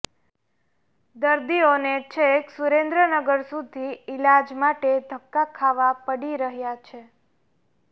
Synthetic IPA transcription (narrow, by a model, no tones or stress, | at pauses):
d̪əɾd̪ionet͡ʃʰeksuɾẽnd̪ɾənəɡəɾsud̪ʱiɪlad͡ʒmaʈed̪ʱəkːakʰaʋapəɽiɾəɦjat͡ʃʰe